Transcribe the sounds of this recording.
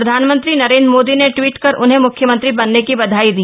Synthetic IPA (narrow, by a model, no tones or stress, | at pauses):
ɾɐd̪ʱaːnmə̃nt̪ɾinɐɾeːnd̪ɾmoːd̪ineʈʋiːʈkɐɾʔʊnɦẽmʊkʰjəmə̃nt̪ɾibɐnːekibɐd̪ʱaːid̪iː